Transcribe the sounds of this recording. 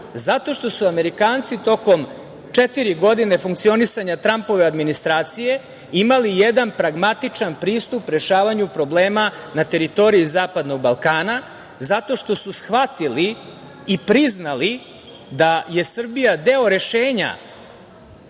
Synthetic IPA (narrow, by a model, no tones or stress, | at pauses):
zat̪o̞ʃt̪o̞suame̞ɾikaːnt̪sit̪o̞ko̞m | t͡ʂet̪iɾiɡo̞d̪ine̞fuŋkt̪sio̞nisaɲat̪ɾampo̞ʋe̞ad̪minist̪ɾaːt̪sije̞ | imalijed̪anpɾaɡmat̪it͡ʂanpɾiːst̪upɾe̞ʃaːʋaɲupɾo̞ble̞ːmanat̪e̞ɾit̪o̞ɾiizaːpad̪no̞ɡ̚balˠkaːna | zat̪o̞ʃt̪o̞susxʋat̪iliː | pɾiznali | d̪aje̞sr̩bijad̪e̞o̞ɾe̞ʃeːɲa̰